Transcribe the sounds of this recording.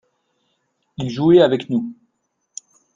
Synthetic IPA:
ilʒueavɛknu

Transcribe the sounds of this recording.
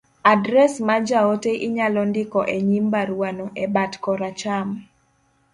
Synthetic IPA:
adɾɛsmad͡ʒaoteʔɪɲalɔndɪkɔʔeɲimbaɾwanɔʔɛbatkɔɾat͡ʃam

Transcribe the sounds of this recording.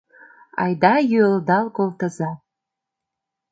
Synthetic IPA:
ɑ̰jd̪ɑjøəld̪ɑlkolt̪ə̆zɑ

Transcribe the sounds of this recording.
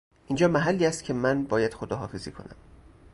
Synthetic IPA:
ʔiːnd͡ʒɒːmæɦælːiːæst̪cʰe̞mænbɒːjæd̪̥xod̪ɒːɦɒːfezḭːkʰo̞̰næ̰m

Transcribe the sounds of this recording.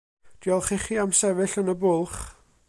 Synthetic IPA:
d̥iɔlˠχiχiːamsɛvɪɬənəbʊlˠχ

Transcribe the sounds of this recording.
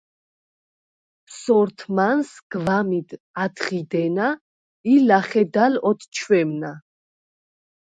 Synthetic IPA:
psɔɾt̪ʰmansɡ̥vamid̪ | ad̪χid̪ɛna | ilaχɛd̪alɔt̪ʰt͡ʃʰwɛmna

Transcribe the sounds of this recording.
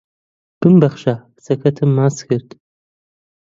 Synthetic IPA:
b̥ɨmbɐχɕaː | sɐxʰɐtʰɨmːaːsxɨrtʼ

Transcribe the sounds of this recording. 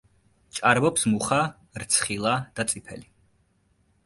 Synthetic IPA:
t͡ʃʼaɾbɔpsmuχa | ɾt̪sʰχilˠad̪̥at̪sʼipʰɛ̰li

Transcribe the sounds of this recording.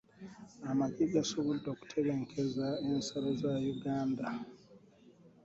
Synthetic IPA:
amaɟeɡasoβudoku̥tʰeβeŋkʰezaensalozajuɡaːnda

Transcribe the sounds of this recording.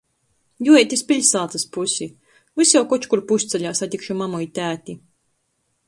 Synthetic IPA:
juɛt̪ʲispʲiʎʲsalːˠt̪sɨspusʲi | vɨsjawkɔt͡ʃkuɾpusʲt̪sɛʎʲaːsat̪ʲikʃumamujit̪ʲæːt̪ʲi

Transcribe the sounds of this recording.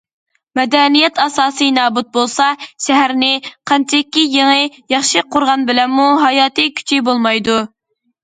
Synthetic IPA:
mɛd̪ɛnijɛt̪ɑsɑːsɨnɑːbut̪̚bolˠsɑʃɛɦæɾnɪqʰɑnt͡ʃʰɛkʲːijeŋɨjɑχʃɨqʰʊɾʁɑnbɪlɛnmuɦɑjɑːt̪ɨkʲʰy̥t͡ʃʰibolˠmɑjd̪u

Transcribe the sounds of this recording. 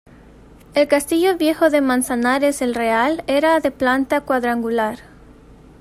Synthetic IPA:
elkast̪iʎoβjexoðemãnsanaɾeselrealeɾaðeplant̪akwaðɾaŋɡulaɾ

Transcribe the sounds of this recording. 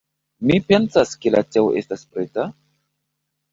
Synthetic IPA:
mipe̞nsaskelateoʔe̞staspɾe̞ta

